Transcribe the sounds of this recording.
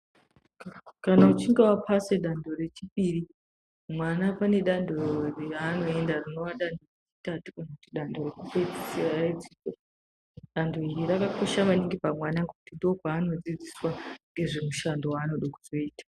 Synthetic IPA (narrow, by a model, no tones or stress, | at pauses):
kanaut͡ʃiŋɡe̞wapʰaseɗando̞re̞t͡ʃipiɾi | mwanapane̞ɗandʱoreano̞e̞ndarino̞waɗandoret͡ʃi̥tatukanakutiɗandʱo̞rekupeid͡zisiraed͡ziko | ɗandʱo̞iɾirakako̞ʃamaniŋɡipamwanaŋɡekutindo̞paːno̞d͡zid͡ziswaŋɡe̞ʐe̞muʃando̞wanoɗokuz̥o̞iːtḁ